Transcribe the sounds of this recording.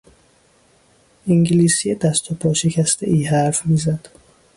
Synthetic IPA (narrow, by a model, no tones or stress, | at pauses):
ʔiŋɟiliːsijed̪æst̪ʰopʰɒːʃe̞cʰæst̪ʰeʔiːɦæɾfmiːzæd̪̥